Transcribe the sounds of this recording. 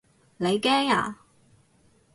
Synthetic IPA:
le˨˧jkɛː˥ŋa̰ː˨˩

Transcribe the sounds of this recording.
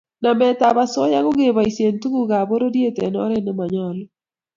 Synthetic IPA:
na˨mɛ˦t̪a˨ba˨sɔ˦ja˦ko˦ɡe˦˨ba˨i˨sje˨ntu˦ɡu˦ɡa˨bo˦ɾo˦dje˦t̪e˨nɔ̰˦ɾɛ˦nɪ˦ma˨ɲɔ˨l

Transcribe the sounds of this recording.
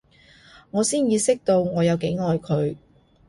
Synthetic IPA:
ŋɔː˨˧siː˥njiː˧sɪ˥k̚t̪o˧wŋɔː˨˧jɐ˨˧wke˨˥jŋɔː˨˧jkʰɵ˨˧ɥ

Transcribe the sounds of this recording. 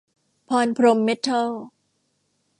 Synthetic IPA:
pʰɔː˧npʰɾo˧mːe˦˥t̪ʰːa˥˩l

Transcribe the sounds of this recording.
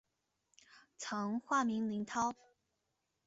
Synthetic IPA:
t͡sʰɤ˧˥ŋxwa˥˩mi˧˥ŋli˧˥ŋt̪ʰɑ˥ʊ

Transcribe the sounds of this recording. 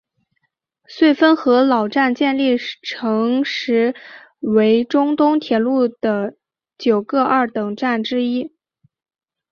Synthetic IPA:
swe˥˩ɪfə˥nxɤ˧˥lɑ˨˩ʊʈ͡ʂa˥˧nt͡ɕjɛ˥˧nli˥˩ʈ͡ʂʰɤ˧˥ŋʂɻ̩˧˥ | we˧˥ɪʈ͡ʂʊ˥ŋt̪ʊ˥ŋt̪ʰjɛ˨˩lu˥˩d̪̥ə˩ | t͡ɕjo˨˩ʊkɤ˥˧ʔɐ˞˥˩t̪ɤ˨˩ŋʈ͡ʂa˥˩nʈ͡ʂɻ̩˥i˥

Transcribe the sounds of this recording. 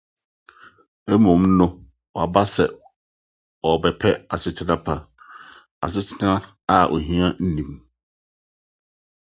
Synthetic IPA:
ɛ˦mɔ̃˨˦m˦nʊ̃˦ | wɔ˨a˨ba˦sɛ˨ | wɔ˨bɛ˨pʰɛ˦a˨sɪ˦tʰɪ˦nã˦pʰa˦ | a̰˨sɪ˦tʰɪ˦nã˦ | a˦˨ʔɔ̰˨ɦĩ˦ã˦n̩˦nĩ˨m

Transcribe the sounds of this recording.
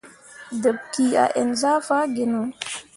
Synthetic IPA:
də˨b̚ki˨a̰˨ʔe˨nza˦fa˦ɡe˨nɔ˨

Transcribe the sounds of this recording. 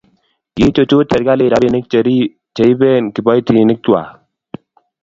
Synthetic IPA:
je˦t͡ʃo˨t͡ʃu˦t̪a˨ɾɡa˦le˨ɾa˦bi˨nɪ˦k̚t͡ʃə˨ɾi˦ | t͡ʃe˨i˦bɛ˦nki˨bɔ˦jt̪i˨nɪ˦k̚t̪u˨wa̰˨

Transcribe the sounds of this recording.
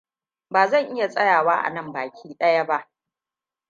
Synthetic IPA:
baː˨zɐ˦˨ŋʔɪ˦ja˨sʼɐ˦jaː˨waː˦ʔa̰˨nɐ˦˨mba̰ː˨kʲʰiː˦ɗɐ˦ja˦ba˦ʔ

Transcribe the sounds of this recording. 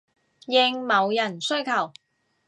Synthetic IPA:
jɪ˧ŋmɐ˨˧wjɐ˨˩nsɵ˥ɥkʰɐ˨˩w

